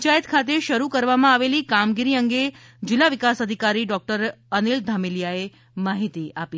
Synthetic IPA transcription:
t͡ʃajət̪kʰat̪eʃəɾukəɾʋamãaʋelikamɡiɾiəŋɡe | d͡ʒɪlːaʋikasəd̪ʱikaɾiɖɔk̚ʈəɾənild̪ʱamiljae | maɦit̪iapi

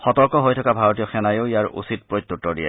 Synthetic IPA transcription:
xɔtɔɹkɔɦojtʰɔkabʱaɹot̬ijɔxɛnajoʊjaɹṵsit̚pɹojt̚tːutːɔdiɛ̰

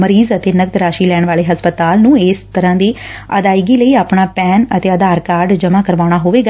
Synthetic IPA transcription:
məɾiːzət̪eːnəɡ̚d̪ɾaːʃiːlɛːɳʋaːleːɦəspət̪aːlnũːɪst̪əɾãːd̪eːə̰d̪aːiɡiːləiːaːpɳaːpɛːnət̪eːəd̪aːɾkaːɾɖd͡ʒəmaːkəɾʋaːɽ̃aːɦoːʋeːɡa

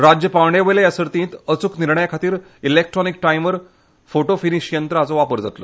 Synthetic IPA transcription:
ɾad͡ʑjəpaʋɳjeʋəlejasəɾt̪ĩːt̪ət͡sukniɾɳəjakʰat̪iːɾ | ilek̚ʈɾɔnik̚ʈajmʋəɾ | foʈofiniɕjənt̪ɾəat͡soʋapəɾd͡za̰t̪lo

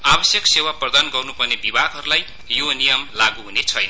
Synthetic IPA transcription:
abʌsjʌksewaprʌd̪anɡʌrnupʌrnebibaɡɦʌɾulaj | jonijʌmlaɡuɦunet͡sʰʌjnʌ

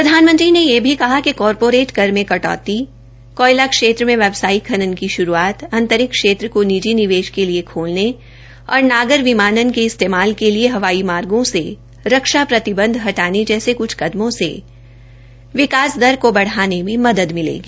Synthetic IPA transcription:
pɾɐd̪ʱaːnmə̃nt̪ɾinejebʱikɐɦakikɔːɾpoːɾeːʈkɐɾmẽkɐʈɔ̰ːt̪i | kɔːɪlakʃeːt̪ɾəmẽʋɛbsaːikʰɐnənkiʃʊɾuaːt̪ɐ̃nt̪əɾɪkːʃeːt̪ɾəkonid͡ʒinɪʋeːʃkeliekʰoːlne | ɔ̰ːɾnaːɡəɾʋɪmaːnənkeɪst̪eːmaːlkelieɦɐʋaːimaːɾɡõse | ɾɐkʃapɾɐt̪ɪbə̃nd̪ʱɦɐʈaːned͡ʒɛːsekʊt͡ʃʰkɐd̪mõsḛ | ʋɪkaːsd̪ɐɾkobɐɽ̤aːnemẽmɐd̪əd̪mɪlḛːɡiː

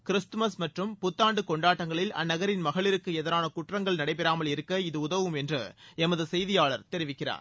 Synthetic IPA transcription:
kɪɾɪst̪ɯmɐsmɐʈrɯmpʊt̪ːaːɳɖɯkɔɳɖaːʈːɐŋɡɐɭɪlɐ̰nːɐɣɐɾɪnmɐɣɐɭɪɾɯkːɯɛðɐɾaːnɐkʊʈrɐŋɡɐɭnɐɽɐɪpɛɾaːmɐɭɪɾɯkːɐɪðɯʊðɐʋɯmɛndrɯɛmɐðɯsɛjðɪjaːɭɐɾt̪ɛɾɪʋɪkːɪra̰ːɾ

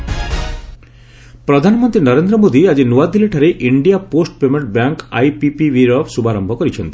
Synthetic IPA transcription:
pɾɔd̪ʱanɔmɔnt̪ɾinɔɾend̪ɾɔmod̪iad͡ʒinuad̪ileʈʰaɾeʔiɳɖijaposʈpemeɳʈbaŋka̰jpipiʋiɾɔpsubʱaɾɔmbʱɔkɔɾit͡ʃʰɔnt̪i̥

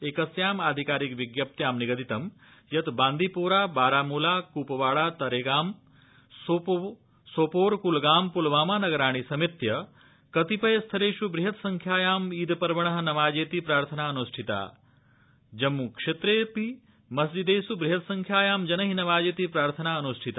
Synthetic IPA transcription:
eːkɐsjaːmaːd̪ʱikaːɾikʋiɡjɐp̚t̪jaːmniɡɐd̪it̪ɐm | jɐt̪baːnd̪ʱipuːɾaːbaːɾaːmuːlaːkuːpɐʋaːɭaːt̪ɐɾeːɡaːm | so | soːpoːɾkulɡaːmpulʋaːmaːnɐɡɐɾaːɳ̃isɐmit̪jɐ | kɐt̪ipɐjɐst̪ʰɐɾeːʃubɾiɦɐt̪sɐŋkʰjaːjaːmiːd̪pɐɾʋɐɳɐɦɐnɐʋaːd͡ʒeːt̪ipɾaːɾt̪ʰɐnaːɐnuʃʈʰit̪a̰ː | d͡ʒɐmːukʂet̪ɾeːpi | mɐsd͡ʒid̪eːsubɾiɦɐt̪sɐŋkʰjaːjaːmd͡ʒɐnɐɦinɐʋaːd͡ʒeːt̪ipɾaːɾt̪ʰɐnaːɐnuʃʈʰit̪a

